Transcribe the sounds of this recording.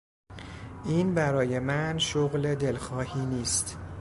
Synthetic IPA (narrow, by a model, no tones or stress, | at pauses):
ʔiːnbæɾɒːje̞mænʃoɣle̞d̪e̞lxɒːhiːniːst̪